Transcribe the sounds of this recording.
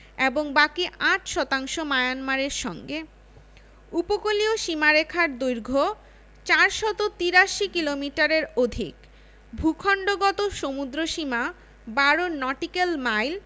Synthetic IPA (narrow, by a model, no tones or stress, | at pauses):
eboŋbakiʔaʈʰʃɔt̪aŋʃomaeanmaɾeɾʃɔŋɡe | upokolioʃimaɾekʰaɾd̪ujɾɡʱo | t͡ɕaɾʃɔt̪ot̪iɾaʃikilomiʈaɾeɾod̪ʱḭk | bʱukʰɔɳɖoɡɔt̪oʃomud̪ɾoʃima | baɾonɔʈikelmajl